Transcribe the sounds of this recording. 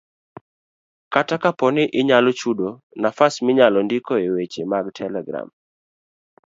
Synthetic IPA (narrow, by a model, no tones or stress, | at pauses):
katakapɔnɪʔɪɲalɔt͡ʃudo | nafasmɪɲalɔndikoewet͡ʃemaɡtʰɛlɛɡɾa̰m